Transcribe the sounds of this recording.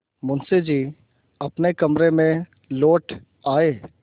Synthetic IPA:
mʊnsed͡ʒiː | ɐpnekɐmɾemẽ | loːʈʰ | aːeː

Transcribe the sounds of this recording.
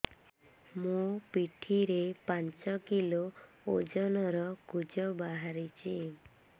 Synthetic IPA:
mũpiʈʰiɾepaɲt͡ʃɔkilo | od͡ʒɔnɔɾɔkud͡ʒɔbaɦaɾit͡ʃʰi

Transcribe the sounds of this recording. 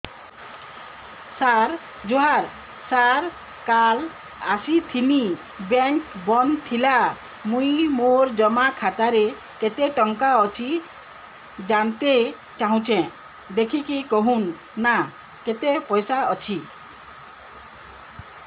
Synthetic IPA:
saɾ | d͡ʒoɦaɾ | saɾ | kal | asit̪ʰini | bɛŋkbɔnt̪ʰila | mũjmoɾd͡ʒɔmakʰat̪aɾe | ket̪eʈɔŋkaɔt͡ʃʰi | d͡ʒant̪e | t͡ʃaɦũt͡ʃʰẽ | d̪ekʰikikɔɦũnː | a | ket̪epɔjsaɔt͡ʃʰi

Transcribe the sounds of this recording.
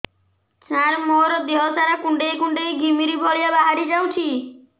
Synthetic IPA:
t͡ʃaɾmɔɾɔd̪eɦɔsaɾakuɳɖejkuɳɖejɡʱimiɾibɔɭijabaɦaɾid͡ʒawt͡ʃʰi

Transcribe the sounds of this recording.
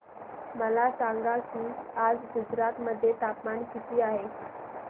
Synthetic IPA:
məlasaŋɡakiːad͡zɡud͡zɾat̪məd̪ʱːjet̪apmankit̪iːaɦe

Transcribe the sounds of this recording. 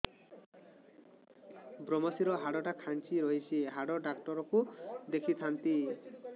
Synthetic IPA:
bɾomɔsiɾɔɦaɽɔʈakʰant͡ʃiɾoɦit͡ʃʰiɦaɽɔɖakʈɔɾɔkud̪ekʰit̪ʰant̪i

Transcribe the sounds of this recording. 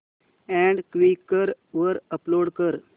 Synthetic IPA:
ɛ̃ɳɖkʋikːəɾʋəɾəploɽkəɾ

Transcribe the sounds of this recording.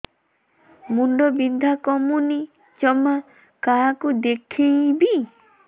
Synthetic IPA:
muɳɖɔbind̪ʱakɔmuni | t͡ʃɔma | kakud̪ekʰijbi

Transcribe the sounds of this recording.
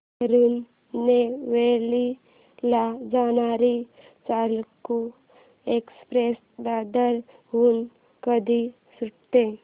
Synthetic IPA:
əɾunː | eʋeli | lad͡ʒanaɾi | t͡ʃalku | ekspɾes | d̪ad̪əɾ | ɦuːn | kəd̪ʱi | suʈt̪e

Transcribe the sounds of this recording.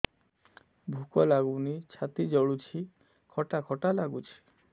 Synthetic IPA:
bʱukɔlaɡunit͡ʃʰat̪id͡ʒɔɭut͡ʃʰi | kʰɔʈakʰɔʈalaɡut͡ʃʰi̥

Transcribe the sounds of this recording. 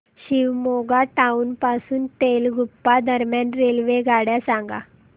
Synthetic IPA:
ɕiʋmoɡaʈaunpasuːnʈelɡʱupːad̪ʱəɾmjãnɾelʋeɡʱaɽjasãŋɡa̰

